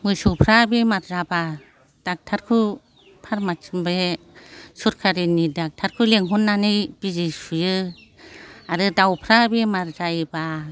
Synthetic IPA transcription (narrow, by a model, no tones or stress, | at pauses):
mɯsuwpʰɾabemaɾzaba | d̥ak̚tʰaɾkʰɯ | pʰaɾmat͡ʃɯmbe | suɾkʰaɾinidak̚tʰaɾkʰɯleŋɦɔnːanɯjb̥izisujɯ | aɾɯdawpʰɾabemaɾzajba